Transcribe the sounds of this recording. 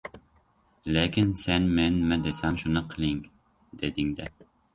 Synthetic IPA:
lekʲʰinsɛnmɛnmɪd̪esɛmʃunɨqʰɨlˠɪŋ | d̪̥ed̪ɪŋd̪ɛ

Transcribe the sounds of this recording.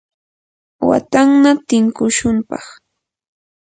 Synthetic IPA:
wa̰t̪aŋnat̪ɪŋkʊʃʊmpɑ̰χ

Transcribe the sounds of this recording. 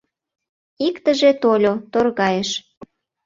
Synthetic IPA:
ikt̪əʒet̪olʲot̪orɣɑjeʃ

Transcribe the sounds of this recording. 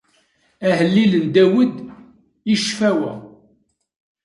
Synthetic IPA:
æhəlːilənd̪æwəd̪ | iʃfæwæ

